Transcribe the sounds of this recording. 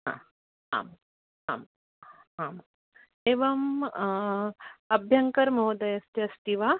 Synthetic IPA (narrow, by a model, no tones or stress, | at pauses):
ɦã̰ | a̰ːm | a̰ːm | aːm | eːʋɐm | ɐbʱjɐŋkɐɾmɐɦud̪ɐjɐst̪iɐst̪iʋa